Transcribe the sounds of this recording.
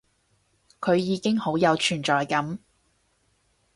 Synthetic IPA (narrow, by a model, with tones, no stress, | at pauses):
kʰɵ˨˧ɥjiː˨˧kɪ˥ŋho˨˥wjɐ˨˧wt͡ʃʰyː˨˩nt͡ʃɔː˨jkɐ˨˥m